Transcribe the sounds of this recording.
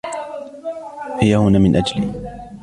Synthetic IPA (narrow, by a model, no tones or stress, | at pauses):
hɪjahʊnaːmɪnʔad͡ʒaliː